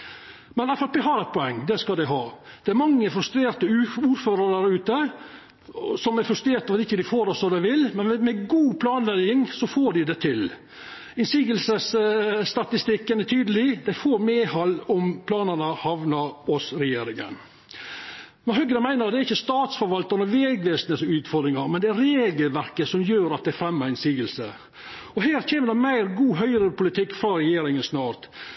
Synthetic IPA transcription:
mɛnɑfɾɑt̪ʋɪɦɑːɾɛɪt̪̚pʰɔɛŋːd̪ɛskɑld̪æɪɦɑːd̪̥ɛæɾmɑŋːəfɾʉst̪ɾeːɾt̪əʉuːɾføːɾəɾd̪æɾʉːt̪ə | sɔmæɾfɾʉst̪ɾeːɾt̪ɑːʋd̪ɪçːəd̪ɪfoːɾɔsɔd̪æɪʋɪlmɛnmɛɡuːpʰlɑːnlɛjɪŋsɔfoːɖɪd̪ɛt̪ʰɪl | ɪnsiːɡəlsəsst̪ɑt̪ɪst̪ɪkːənæt̪ʰyːd̪əlɪd̪æɪfoːɾmeːhɑlːɔmpʰlɑːnənəhɑʋnɑɾɔsɾɛjeːɾɪŋə̰n | mɛnhœɡːənəmæɪnəɾd̪ɛæɾɪçːəst̪ɑːt̪sfɔɾʋɑlt̪ɑɾnəʋeːɡʋeːsnəsʉːt̪fɔɾd̪ɾɪŋɑɾmɛnd̪ɛæɾɾeːɡəlʋæɾkəsɔmjøːɾɑt̪̚d̪æfɾɛmːəɾɪnsiːɡəlsə | ɔhæːɾçʰeːməd̪ɛmæɪɾɡuːɦœʏɾəpʊlɪt̪ʰɪkːfɾɑɾɛjeːɾɪŋənsnɑːɾt̪

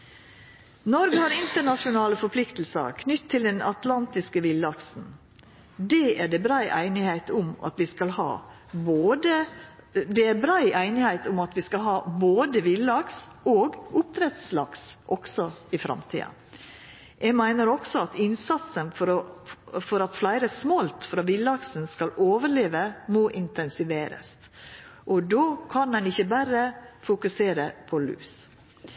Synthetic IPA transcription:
nɔɾɡəhɑɾɪnt̪əɳɑʂʊnɑːləfɔɾpʰlɪkt̪l̩sə̰ɾkʰnʏt̪ʰːɪld̪ɛnɑ̰t̪lɑnt̪ɪskəʋɪlɑksn̩ | d̪ɛːʔæɖɛbɾæɪʔæɪnɪhæɪt̪ʰʊmɑ̰t̪ʋɪskɑlhɑ̰ː | boːd̪ə | d̪ɛæɾbɾæɪʔæɪnɪhæɪt̪ʰʊmɑt̪ʋɪskɑlɦɑːboːd̪əʋɪlɑks | oːɡʊp̚t̪ʰɾɛt̪slɑksʔɔksɔɪfɾɑ̰mt̪ʰḭːɑ̰ | jʔɛmæɪnəɾɔksɔɑt̪ɪnsɑt̪sənfɔɾ | fɔɾɑt̪flæɪɾəsmolt̪fɾɑːʋɪlːɑksənskɑloːʋəɾɭeːʋəmoːʔɪnt̪ɛnsɪʋeːɾə̰st̪ | ʔɔd̪oːkʰɑnɛnɪçəbæɾəfʊkʉseːɾəpʰɔlʉ̰ːs

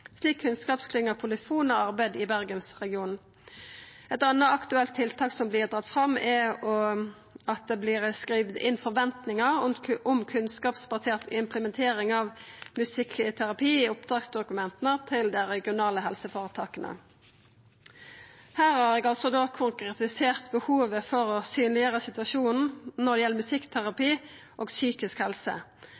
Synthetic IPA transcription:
sliːkʰːʉnskɑːpskʰlɪŋːəʁpʰʊlɪfuːnɔʁɑʁbæɪd̪ɪbæʁɡənsʁɛɡɪuːn | ɛt̪ɑnːəɑkt̪ʉɛlt̪ʰːɪlt̪ʰɑːksɔmblɪːʁd̪ʁɑt̪fʁɑmɛɔ | ɑt̪̚d̪ɛblɪːʁskʁiːʋd̪ɪ̰nfɔʁʋɛnt̪nɪŋəʁʊmkʰʉnskɑːpsbɑseːʁt̪ɪmpʰləmɛnt̪ʰeːʁɪŋɑːʋmʉsɪkʰt̪ʰæɾɑpʰiːɪʊpd̪ʁɑːksd̪ʊkʉmɛnt̪ənət̪ʰɪld̪ɛʁɛɡɪʊnɑːləɦɛlsəfoːʁət̪ʰɑːkənʔə̰ | hæːʁhɑːʁɛɡɑlsɔd̪oːkʰʊŋkʁɛt̪ɪseːʁt̪bəhuːʋəfɔɾɔsyːnlɪəʁəsɪt̪ʋɑʃuːnn̩nɔʁd̪ɛjɛlːəmʉsɪkːt̪ʰæʁɑpiː | ʔoːɡsyːkɪskhɛlsə̰

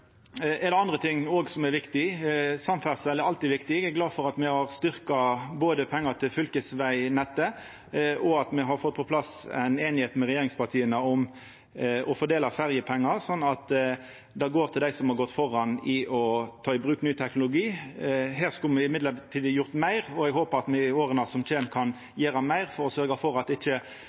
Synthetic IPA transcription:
ʔɛd̪ɛɑnd̪ʁət̪ʰɪŋːoːɡsɔmɛɾʋɪkt̪ɪsɑmfæʁsɛlːɛɾɑlt̪ɪʋɪkt̪ɪɡɛɡlɑːfɔɾɑt̪mɛhɑʁst̪ʏɾkɑboːd̪əpʰɛŋːɑt̪ʰɪlfʏlkəsʋæɪnɛt̪ːə | ʔɔɑt̪mɛɦɑɾfɔt̪̚ːpʰɔpʰlɑsæ̰ɪneːnɪheːt̪mɛʁɛjeːɾɪŋspɑʁt̪ʰiːənəɔm | ʔɔfɔɾd̪eːlɑfæɾjəpʰɛŋːɑɾsɔnːɑt̪ | d̪ɛɡoːɾt̪ʰɪld̪æɪsɔmhɑɾɡɔt̪ːfɔɾɑnɪʔɔt̪ʰɑːɪbʁʉːknyːt̪ʰɛknʊlʊɡiːheːʁskʉlmɛɪmɪd̪lət̪ʰiːd̪jʊʁt̪mæɪʁɔɛɡɦoːpəʁɑt̪mɛoːɾənɑsɔmt͡ʃeːmkʰɑn | jeːɾɑmæɪʁfɔɾɔsœɾɡɑfɔɾɑt̪ɪçːə

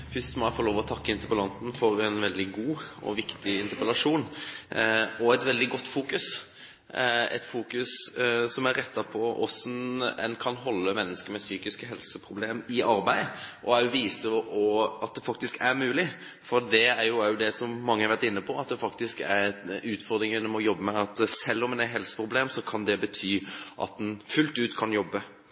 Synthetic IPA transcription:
fʏst̪mɔæɪfɔɾloːʋɔt̪ʰɑkːəɪnt̪əpəlɑnt̪n̩fɔɾɛnʋɛld̪ɪɡuːɔ̰ʋɪkt̪ɪɪnt̪əpəlɑʂuːn | ɔɛt̪ʋɛld̪ɪɡɔt̪ːfuːkʉs | ɛ̰t̪fuːkʉssɔmæɾːɛt̪ːɑpʰɔʔɔsnɛ̰nkʰɑnɦɔlːəmɛnːəskəɾmɛsyːkɪskəɦɛlsəpʰɾʊbleːmɪʔɑɾbæɪʔɔæjʊʋiːsəʔɔɑt̪̚d̪ɛfɑk̚t̪ɪskʰæɾmʉːlɪ | fɔɾd̪ɛæɾjʊɛjʊd̪ɛsɔmmɑŋːəhɑɾʋæɾt̪ɪnːəpʰɔɑt̪̚d̪ɛfɑkt̪ɪskæ̰ɾʉːt̪fɔɾd̪ɾɪŋɪnːɔmɔjɔbːəmɛɑt̪sɛlːɔmɛnæɪɦɛlsə̥pʁʊbleːmsɔkʰɑnd̪ɛbət̪ʰyːʔɑ̰t̪̚d̪ɛnfʉlt̪ʉːt̪kʰɑnjɔbːə

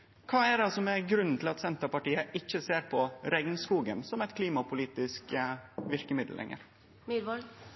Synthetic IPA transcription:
kʰɑːɛɖɑsɔmɛɡɾʉnːn̩t̪ʰɪlɑt̪sɛnt̪əɾpɑʈiːəʔɪçːəseːɾpʰɔɾɛɡnskuːɡə̰nsɔmɛt̪kʰliːmɑpʰʊliːt̪ɪskʋɪɾkəmɪd̪l̩ʔɛ̰ŋːə̰ɾ | myɾʋɔl

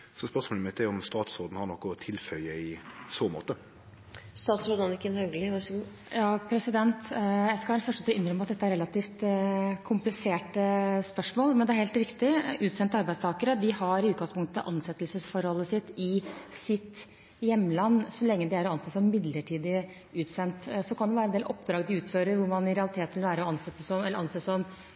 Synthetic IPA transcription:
sɔspœʁsmoːləmɪt̪ːɛɔmst̪ɑːt̪sɔʁd̪n̩hɑɾnɔkːʊɔt̪ʰɪlfœləɪsoːmo̰ːt̪ə | st̪ɑːt̪sʊd̪ɑnɪkənhœɡlɪʋɑʂɔɡu | jɑːpʰɾɛsɪd̪ɛnt̪jæɪskɑɛlfœʂʈət̪ʰɔɪndɾœmːɑt̪̚d̪ɛt̪ːæɾɛlɑt̪iːft̪kʰʊmplɪseːʈəspœʂmoːlmɛnd̪ɛæɾhelt̪ɾɪkt̪ɪʉːt̪sɛnt̪əɑɾbæɪst̪ʰɑːkəɾəd̪ɪhɑɾʉːt̪̚ɡɑŋspʰʊŋkt̪ʰʔɑ̰nsɛt̪ːəlsəsfɔɾhɔlːəsɪt̪ːɪsɪt̪ | jɛmːəlɑnːsɔlɛŋːəd̪ɪæɾɔɑnseːsɔmmɪd̪ləʈʰiːd̪ɪ | ʉːt̪sɛnt̪sɔkʰɑnd̪ɛʋæɾəɛnd̪eːlʔɔpːd̪ɾɑːɡd̪ɪʉːt̪føːɾəɾʋʊɾmɑnɪɾɛɑlɪt̪ʰeːt̪ʰɪlʋæːɾəɔɑnsɛt̪ːəsɔmɛlːəɾɑnseːsɔm

